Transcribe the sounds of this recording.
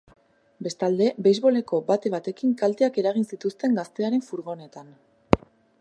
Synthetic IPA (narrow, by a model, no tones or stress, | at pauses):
be̞st̪ald̪e̞be̞jzβo̞le̞ko̞bat̪e̞βat̪e̞kiŋkalt̪e̞ake̞ɾaɣ̞insit̪ust̪e̞ŋɡast̪e̞aɾe̞ɱfuɾɣo̞ne̞t̪an